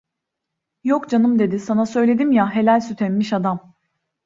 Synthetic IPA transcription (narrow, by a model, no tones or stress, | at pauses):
jokd͡ʒanɯmd̪e̞d̪ɪsanasø̞jlʲe̞d̪imjaɦe̞lʲælʲsyt̪ʰenmiʃad̪am